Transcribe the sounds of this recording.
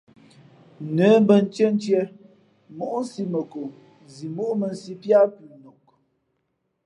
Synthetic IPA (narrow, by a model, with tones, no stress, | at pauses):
nə˨˦m˦bə˨n̩˦t͡ʃə˦n̩˦tjɛ˦ | mo˦ʔn̩˦si˦mə˨ko˨ | zi˨mo˦ʔmə˨n˨˦si˦pja˦kʉ˨no˨k̚